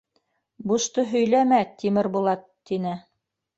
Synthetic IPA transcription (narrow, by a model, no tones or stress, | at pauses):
buʃt̪ɤɦɵ̆jlæmæt̪imɘɾbulˠɑt̪ːinɘ